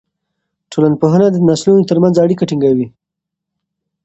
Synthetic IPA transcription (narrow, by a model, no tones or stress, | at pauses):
ʈʰolanpoɦənad̪ənɑslunot̪əɾmanzaɽikaʈiŋɡawi